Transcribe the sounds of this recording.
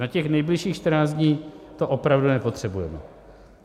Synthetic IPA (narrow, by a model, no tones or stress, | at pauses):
nacɛxnɛjblɪʃiːxʃt̪ɾnaːzɲiːt̪oʔopɾavdunɛpo̞t̪r̥ɛbujɛmɛ̰